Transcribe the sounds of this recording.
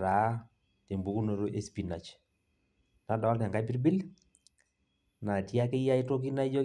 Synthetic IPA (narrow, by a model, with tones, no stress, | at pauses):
ɾa˨˦ | te˨mbu˦ku˦no˨˦ɾo˦ʔe˦spi˨na˨t͡ʃ | na˨da˨a˦lna˨ŋɡa˦bi˦ɾbi˦l | na˨tja˦kɪ˦ja˦i˦to˦k̬i˦na˦i˦d͡ʒɔ˦